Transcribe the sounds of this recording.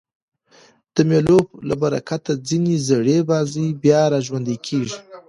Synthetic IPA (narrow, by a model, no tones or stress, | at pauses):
d̪̥əmjeloblabaɾa̰kat̪ad͡zinezaɽebɑzijbjɑɾɑʒwand̪ekʰeʒi